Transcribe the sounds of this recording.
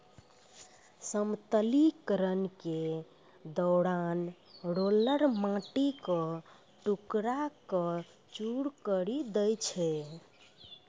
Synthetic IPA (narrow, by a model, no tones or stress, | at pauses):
səmt̪əlikəɾənke | d̪ɔɾanɾoləɾmãʈikɔ | ʈukɾakə | t͡ʃuɾkəɾid̪əjt͡ʃʰɛ